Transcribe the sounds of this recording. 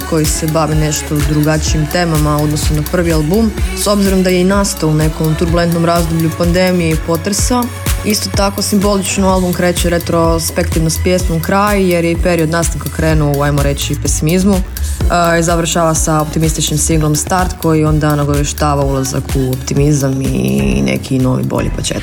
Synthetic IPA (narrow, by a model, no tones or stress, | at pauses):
ko̞jise̞baʋine̞ʃt̪o̞d̪ɾuɡat͡ʃiimt̪e̞ːmamao̞d̪nosomnapr̩ʋialˠbumso̞bziɾo̞md̪ajeinaːst̪oune̞ko̞mt̪uɾbule̞nt̪no̞mɾazd̪obʎupand̪e̞mijepo̞t̪ɾsa | ist̪o̞t̪ako̞simbo̞lit͡ʃnoalˠbumkɾe̞ːt͡ʃeɾet̪ɾo̞spekt̪iʋnospjesnomkɾajje̞ɾjeipe̞ɾio̞d̪nast̪aŋkakɾe̞ːnuajmoɾe̞t͡ʃipe̞simizmu | izaʋr̩ʃaːʋasaopt̪imist̪it͡ʃnimsiɡlo̞mst̪aɾt̪ko̞jio̞nd̪anaɡoʋeʃt̪aːʋaulˠaza̰kʰuopt̪imizamḭnḛkʰino̞̰ʋḭbo̰ʎḭpot͡ʃjḛt̪